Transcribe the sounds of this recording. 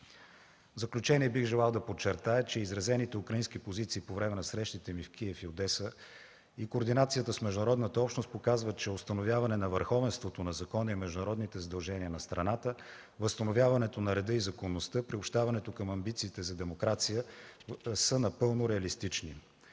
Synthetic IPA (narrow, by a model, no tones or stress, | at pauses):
vzɐklʲut͡ʃɛniɛbiɣʒɛlˠalˠd̪ɐpot͡ʃːɛɾt̪ajət͡ʃɛizɾɐzɛnit̪ɛukɾɐinsk̟ipozit̪siːpovɾɛmɛnɐsɾɛʃt̪it̪ɛmifkʰʲiɛfiod̪ɛsə | ikoːɾd̪inat̪sijət̪əsmɛʒd̪uʊnɐɾɔd̪nət̪əɔpʃnost̪̚pokazvət͡ʃɛost̪ɐnovʲjavɐnɛnɐvəɾxɔvɛnst̪vot̪onɐzɐkɔnəimɛʒd̪ʊnɐɾɔd̪nit̪ɛzəd̪ɐlˠʒɛniənɐst̪ɾɐnat̪ə | vəst̪ɐnovʲjavɐnɛt̪onɐɾɛd̪ɤizɐkonːost̪ɤpɾiopʃt̪avɐnɛt̪okəmɐmbit̪siːt̪ɛzɐd̪ɛmokɾat̪sijə | sənɐpɤlˠnoɾɛɐlist̪it͡ʃnḭ